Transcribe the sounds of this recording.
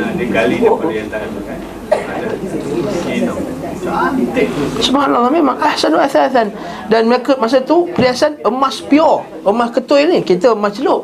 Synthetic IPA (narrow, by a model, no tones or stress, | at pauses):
adəkalipadjant̪adamakan | ada | ino | t̪esəmaɦanalːamemaŋʔahsanwaθaθan | danməakət̪̚mas̬ət̪upəliasanəmaspiɔ | əmaskət̪ojnikit̪əəmast͡ʃəloʔ